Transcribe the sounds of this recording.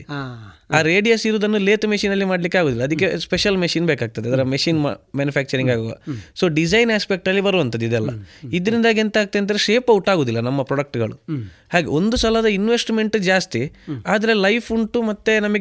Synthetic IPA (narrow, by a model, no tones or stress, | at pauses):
aːɾeːɖijɐsiɾuːd̪ɐnːule̞ːt̪meʃiːnɐlːimaːɖlikːaːɡoːd̪ilːɐd̪ikːe̞speʃɐlmeʂiːnbeːkaːɡ̚t̪ɐd̪eɐd̪ɐɾɐmeʂiːnmaːnjupʰæːk̚t͡ʃɐɾiŋɡaːɡoʋɐ̰soːɖid͡ʒɐjnaːspek̚ʈɐlːibɐɾuɐnt̪ɐd̪id̪ɛlːɐ̰id̪ːɐɾind̪aːɡent̪ɐaːɡ̚t̪enɐɾeʃe̞ːpɐwʈaːɡoːd̪ilːɐnɐmːɐpɾɔɽɐk̚ʈɡɐɭṵ | haːɡe̞̰o̞nd̪usɐlɐd̪ɐinʋe̞sʈme̞ɳʈud͡ʒaːst̪iaːd̪ɐɾelɐjpʰuɳʈumɐt̪ːe̞nɐmɐɡ